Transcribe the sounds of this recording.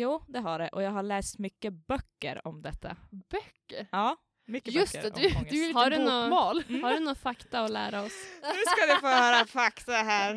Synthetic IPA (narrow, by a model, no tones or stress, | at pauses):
juːd̪ɛɦaɖɛʔɔjɑːɡɦaɭɛːst̪mʏkːəbœkːə̰ɾɔmd̪ɛt̪ʰːa̰b̥œkːəɾɑː | mʏjɵst̪ɛd̪ɵʉvɪlhaɖʉnɔmɑːlhaɖɵnɔfakt̪aɔlæ̰ːɾaɔsʉsskad̪ɪfoːhœːɾafakt̪aɦæːɾ